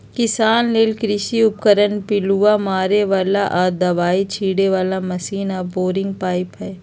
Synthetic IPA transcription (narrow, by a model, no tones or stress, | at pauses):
kɪsaːnleːlkɾɪʃiʊpkəɾənpɪluːamaːɾeʋaːlaʔaːd̪ɐʋaːit͡ʃʰiːɽeʋaːlamɐsiːnaboːɾɪ̃ŋɡ̚paːɪpɦɛ